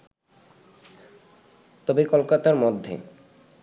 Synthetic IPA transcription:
t̪ɔbikɔlkat̪aɾmod̪ʱːḛ

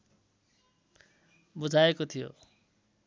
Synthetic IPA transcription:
bud͡zʱaekot̪ʰijo̰

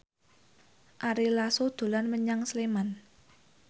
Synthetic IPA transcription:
ʔaɾilasod̪̥ṳlanməɲaŋsleman

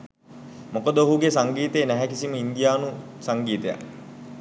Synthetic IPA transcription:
mokəd̪əoɦuɡesaŋɡiːt̪eːnæɦækisiməind̪ijaːnusaŋɡiːt̪əja̰

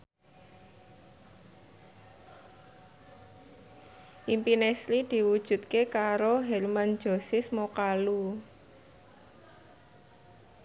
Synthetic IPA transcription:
ʔimpinɛslid̪̥i̤wud̥ʒ̥ṳt̪̚kekaɾoɦɛlman̥d͡ʒo̤sɪsmokalu

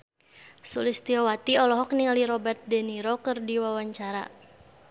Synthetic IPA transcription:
sulist̪iɔwat̪iɔlɔɦɔk̚niŋaliɾɔbɛrt̪̚dɛniɾɔkɨrdiwawaɲt͡ʃaɾa̰

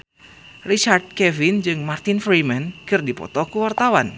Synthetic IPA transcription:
rit͡ʃard̪̚kɛvind͡ʒɨŋmart̪ɪnfɾimankɨrdipɔ̰t̪ɔkuwart̪awan

